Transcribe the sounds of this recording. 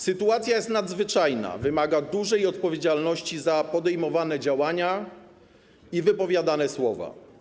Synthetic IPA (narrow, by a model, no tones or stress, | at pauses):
sɘt̪uat̪sʲjajɛst̪nad̪zvɘt͡ʂajna̰vɘmaɡad̪uʐɛjɔt̪̚pɔvʲjed͡ʑalnɔɕt͡ɕizapɔd̪ɛjmɔvanɛd͡ʑawaɲa | ivɘpɔvʲjad̪anɛswɔva̰